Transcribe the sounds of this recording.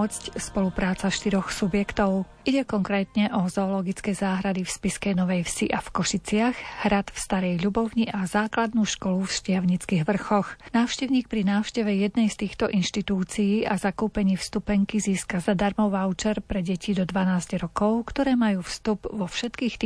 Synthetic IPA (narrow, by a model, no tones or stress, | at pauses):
ɔt͡scspɔlupɾaːt͡saʃt̪iɾɔxsubjɛkt̪ɔʊ | ʔiɟɛkɔŋkɾɛːt̪ɲɛʔɔzɔːlɔɡit͡skɛːzaːɦɾad̪ifspiskɛjnɔʋɛjfsiʔafkɔʃit͡sɪaxhɾat̪fst̪aɾɛjʎubɔʊɲiʔazaːklad̪nuːʃkɔlufʃcɪaʊɲit͡skiːɣʋr̩xɔxnaːʊʃcɛʊɲiːk̚pɾinaːʊʃcɛʋɛjɛd̪nɛjst̪iːxt̪ɔʔinʃt̪it̪uːt͡sijiːazakuːpɛɲiːfst̪upɛŋkiziːskazad̪aɾmɔʋaʊt͡ʃɛɾpɾɛɟɛcid̪ɔd̪ʋanaːzɟɾɔkɔʊkt̪ɔɾɛːmajuːfst̪ubʋɔfʃɛt̪kiːxt̪ː